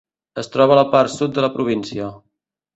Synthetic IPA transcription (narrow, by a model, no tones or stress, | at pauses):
əst̪ɾɔβələpaɾsut̪̚d̪ələpɾuβinsiə